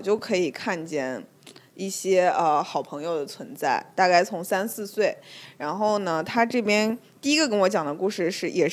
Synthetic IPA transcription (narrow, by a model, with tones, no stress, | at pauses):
t͡ɕjo˥˩ʊkʰɤ˧˥i˨˩kʰa˥˧nt͡ɕjɛ˥˩n | i˥˩ɕjɛ˥ə˧xɑ˨˩ʊpʰɤ˧˥ŋjo˧ʊd̪ə˩t͡sʰwə˧˥nt͡sa˥˩ɪt̪a˥˧ka˥˩ɪt͡sʰʊ˧˥ŋsa˥nsɹ̩˥˧swe˥˩ɪɻa˧˥nxo˥˩ʊnə˩t̪ʰa˥ʈ͡ʂɤ˥˩pjɛ˥nt̪i˥˩i˥ɡə˧k̬ə˥nwɔ˧˥t͡ɕjɑ˨˩ŋd̪ə˦ku˥˧ʂɻ̩˥˧ʂɻ̩˥˩jɛ˨˩